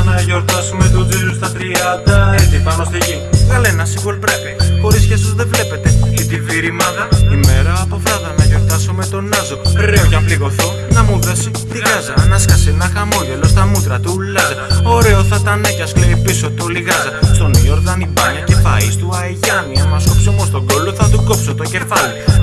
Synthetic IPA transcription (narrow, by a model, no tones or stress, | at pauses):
nɐʝo̞ɾt̪ɐsumet̪uðilust̪ɐt̪ɾiɐnd̪ɐet̪ipɐnost̪iʝikɐlenɐsiɣolpɾepixo̞ɾiscesozðe̞vle̞pe̞t̪e̞it̪iviɾimɐðɐime̞ɾɐːpo̞fɾɐðɐnɐʝo̞ɾt̪ɐsume̞t̪o̞nɐzo̞ɾeoʝɐpliɣo̞θo | nɐmuðesi | t̪iɣɐzɐnɐskɐsenɐxɐmo̞ʝelo̞st̪ɐmut̪ɾɐt̪ulɐzɐoɾe̞oθɐt̪ɐnecɐsleipisot̪oliɣɐzɐst̪o̞njo̞ɾðɐnibɐɲɐce̞pɐist̪uɐeʝɐniɐmɐsopsomost̪o̞ɡo̞lo̞θɐt̪uko̞psot̪o̞ɟe̞fɐli